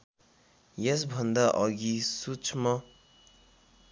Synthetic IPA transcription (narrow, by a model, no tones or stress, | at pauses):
jes̬bʱʌnd̪aʔʌɡisut͡sʰmʌ